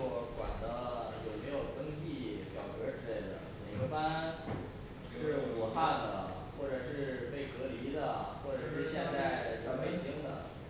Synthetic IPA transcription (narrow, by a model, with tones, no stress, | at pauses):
wkwa̰˨˩nd̪ə˦jo˨˩ʊme˧˥ɪjo˨˩ʊt̪ɤ˥ŋt͡ɕi˥˩pjɑ̰˨˩ʊkɤ˧˥ʈ͡ʂɻ̩˥le˥˩ɪd̪ə̰˩mḛ˨˩ɪɡə˧˥fa˥n | ʂɻ̩˥˩u˨˩xa˥˩nd̪ə˩ | xwɔ˥˩ʈ͡ʂɤ˨˩ʂɻ̩˥˧pe˥˩ɪkʰɤ˧˥li˧˥d̪ə˨xwɔ˥˩ʈ͡ʂʂɻ̩˥˧ɕjɛ˥˩˧ŋ˥˩a˥a˨˩də˧ʂɑ˥˩me˧˥ɪɕi˧˥ŋd̪ə̰˧˨